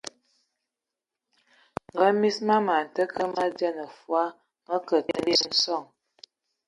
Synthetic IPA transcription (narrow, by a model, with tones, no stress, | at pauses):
ŋ̩˨ɡə˦mi˦sma˦ma˨n̩˨tə˦kə˦ma˦djə˦nə˨fwa˦ | mə˦kə˨ə˦li˦ə˦n̩˦sɔ˦˨ŋ